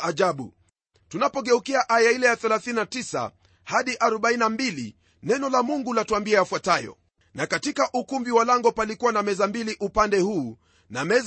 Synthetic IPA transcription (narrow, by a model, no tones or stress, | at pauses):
ʔaʄaɓṵ | tunapɔɠɛukiaʔajailɛjaθɛlaθinnatisa̰ | haɗiʔaɾɔɓainambilḭ | nɛnɔlamuŋɡulatuambiajafwatajɔ̰ | nakatikaʔukumbiwalaŋɡɔpalikuwanamɛzambiliʔupandɛhuː | namɛz